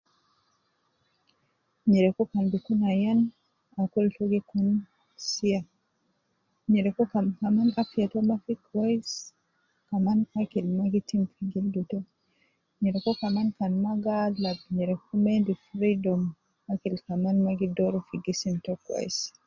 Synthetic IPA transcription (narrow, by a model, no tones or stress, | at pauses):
ɲɛɾɛkɔkanbikunajan | akɔltɔɡikun | sia | ɲɛɾɛkɔkakamanafiatɔmafikwajs | kamanakilmaɡitimfiɡildutɔ | ɲɛɾɛkɔkamankanmaɡalːab̚ɲɛɾɛkɔmendifɾidɔm | akilkamanmaɡidɔɾɔfiɡisintɔkwa̰s